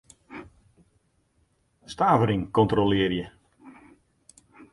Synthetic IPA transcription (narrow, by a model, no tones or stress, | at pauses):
staːvəɾɪŋkɔntrolɪərjə